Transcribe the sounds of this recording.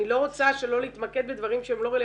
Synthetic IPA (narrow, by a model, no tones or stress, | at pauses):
ilo̞ʁot͡saʃe̞lo̞leit̪maked̪bed̪vaʁimʃeemlo̞ʁele